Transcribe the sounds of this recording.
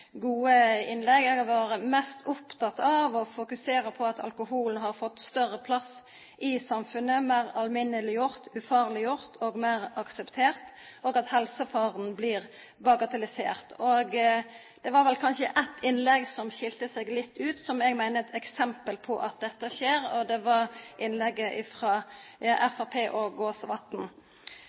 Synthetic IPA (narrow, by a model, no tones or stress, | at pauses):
ɡuːəɪnlɛɡɛɡɑʋɑːɾəmɛst̪ɔpt̪ʰɑt̪ɑʋɔfʊkʉseːɾəpʰɔɑt̪ʰɑ̰lkʊhuːln̩ɦɑɾfɔt̪ːst̪œʁəpʰlɑs | ʔɪsɑmfʉnːəmæɪʁɑlmɪnəlɪjʊɾt̪ʉfɑːʁlɪjʊɾt̪ʰoːɡmæɪɾɑksɛpt̪ʰeːʁt̪ | oːɡɑt̪hɛlsəfɑːʁnblɪːɾ | bɑɡɑt̪ɑlɪsḛːʁt̪ʰoːɡ | d̪̥ɛʋɑːɾʋɛlkʰɑnʃəʔæt̪ʰɪnlɛɡsɔmʃɪlt̪əsɛɡlɪt̪ʰːʉːt̪sɔmɛɡmæɪnət̪ʰɛksɛmpəlpʰɔʔɑt̪̚d̪ɛt̪ːəʃeːɾɔd̪ɛʋɑɾʔɪnlɛɡːəʔɪfʁɑːʔɛfɑpʰeːʔoɡoːsʋɑt̪n̩